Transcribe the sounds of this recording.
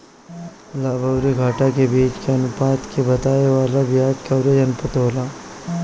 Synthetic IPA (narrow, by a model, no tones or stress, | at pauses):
laːbʱɐwɾiɡʱaːʈakebiːt͡ʃkeɐnʊpaːt̪kebɐt̪aːeʋaːlabɪjaːt̪kɐʋɾed͡ʒɐnʊpət̪ɦoːlaː